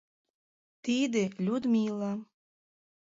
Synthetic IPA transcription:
t̪id̪elʲud̪mʲiːlˠɑ

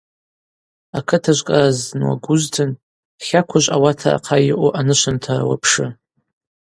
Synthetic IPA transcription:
akʰɨtʰaʒʷkʼaznwa̰ɡʷʊztʰɨn | χʲakʷʰaʒʷawatʰa̰ːqʰajɪʔʷoʔanɨʃʷʰantʰawa̰pʰʂɨ

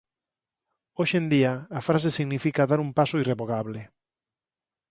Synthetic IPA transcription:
oʃend̪iaːfɾas̬esiɣnifikaðaɾumpasoireβoɣaβlɪ

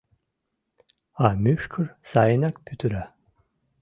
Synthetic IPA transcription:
amyʃkʰuɾsajnakpʰyt̪ʰyɾa

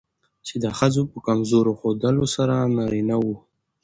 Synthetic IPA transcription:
t͡ʃed̪əxəzopəkamzoɾoxod̪əlosaɾanaɾinawu

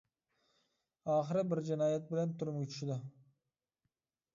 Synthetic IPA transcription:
ɑːχəɾɪbɪɾd͡ʒɪnɑːjɛt̪̚bɪlænt̪ʰʊɾmʲʰʏt͡ʃ̪ʰʃɪd̪ɪ

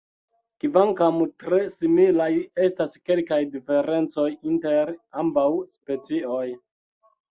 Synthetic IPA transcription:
kivaŋkamtɾe̞similaje̞staske̞lkajdife̞ɾe̞nt͡so̞jinte̞ɾambawspe̞t͡sio̞j

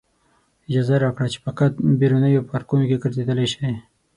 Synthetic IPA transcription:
ɪd͡ʒɑzaɾakɽat͡ʃe̥pakat̪̚beɾonəjopaɾkunokeɡəɾzed̪əlajʃaj

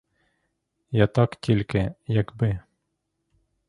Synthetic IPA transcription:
jɑt̪ɑkt̪ʲʰilʲkɘjækbɘ

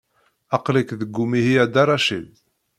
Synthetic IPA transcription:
ɑqlikðəɡːumihiæd̪ɑɾˤɑʃḭd̪

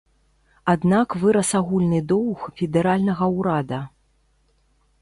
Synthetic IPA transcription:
ad̪nakvɨɾɐsaɣulʲnɨd̪ɔwxfʲɛd̪ɛɾalʲnɐɣɐwɾad̪ɐ

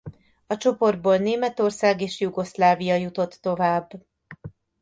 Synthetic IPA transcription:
ɒt͡ʃo̞po̞rd̪̚boːlneːmɛt̪o̞rsaːɡeːʃjuɡo̞slaːvijɒjut̪o̞t̪ːo̞vaːbː

